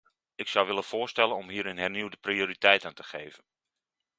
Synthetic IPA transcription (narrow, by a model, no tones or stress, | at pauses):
ɪksawʋɪlənfʊːɹstɛlənɔmɦiːəɾɪnɦɛɹniwdəprioːɾitɛjtəntəχejvən